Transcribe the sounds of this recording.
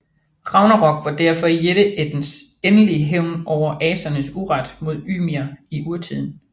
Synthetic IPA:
ʁɑ̈ʊnɐʁɒ̽ɡ̥ʋɑ̈d̥æɐ̰fɒ̽ijeɾ̥əʔed̥n̩senəliəɦeʊ̰nʔɒʊ̰ɐʔɛːsɐnəsuʁɑd̥mo̝ð̞̰ˠy̰ːmiɐiʔuɐt͡sʰið̰ˠn̩

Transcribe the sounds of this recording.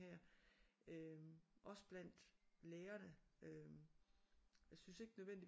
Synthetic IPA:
hɛɐ̰ | øʔɒ̽sə̥b̥læn̰d̥leːɐnəø | jasynse̝ɡ̥ənøðˠen̰d̥i

